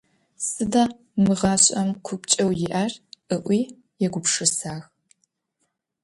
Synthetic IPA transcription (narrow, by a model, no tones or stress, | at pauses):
sʼɨdaː | mɨʁɑːɕʷʼɐmkʷʰʊpt͡ʃʼɐwjɪʔaːrʔɨʔʷiː | jɛɡʷʊpʂɨsaːx